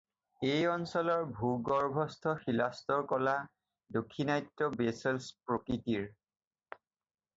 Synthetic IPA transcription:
ejɔnsɔlɔɹbʱuɡɔɹbʱɔstʰɔxilastɔɹkɔla | dokʰːinajtːɔbeselspɹokɹitiɹ

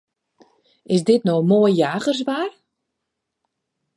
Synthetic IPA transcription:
ɪsdɪtnowmoːjjaːɣərsʋaːr

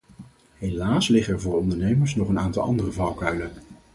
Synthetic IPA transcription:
ɦejlaːslɪχəɛɹvʊːɹɔndəɹnejməɹsnɔχənaːntɑ̰lˠʔɑ̰ndərəvɑwkœɥlə

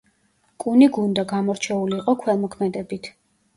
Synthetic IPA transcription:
kʼuniɡund̪aɡamɔɾt͡ʃʰɛuliːqʼɔkʰwɛlˠmɔkʰmɛd̪ɛbit̪ʰ

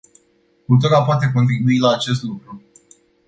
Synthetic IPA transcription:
ut̪oɾapoat̪̬e̞k̬o̞nt̪ɾibuilaːt͡ʃe̞s̬t̪lukɾu

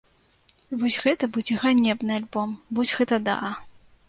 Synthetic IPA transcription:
vɔsʲɣɛt̪ɐbud͡zʲɛɣanʲɛbnɨalʲbɔmbud͡zʲɣɛt̪ɐd̪a̰

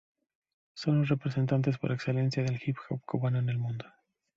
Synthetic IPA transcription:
so̞nlosre̞pɾese̞nt̪ant̪̬e̞spo̞ɾe̞kse̞le̞nsjaðe̞lxipxo̰pkuβanoene̞lmũnd̪o̞

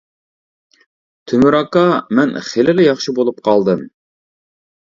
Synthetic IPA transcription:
t̪ʰymyɾɑkɑmɛnχelɪlɪjɑχʃibolˠup̚qʰɑlˠd̪ɨm

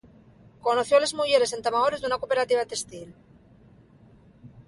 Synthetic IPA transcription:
ko̞noθjole̞zmuʝe̞ɾe̞se̞nt̪amaoɾezðunakope̞ɾat̪iβat̪e̞st̪il

